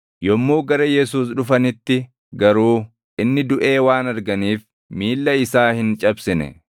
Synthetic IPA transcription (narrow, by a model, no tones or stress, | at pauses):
jɔmːuːɡɐɾɐjɛs̬uːs̬ᶑʊfɐnɪt̪ːɪ | ɡɐɾuː | ʔɪnːɪd̪ʊʔe̞ːwaːnɐɾɡɐniːf | miːlːɐɪsaːhɪnt͡ʃʼɐbsɪnɛ̰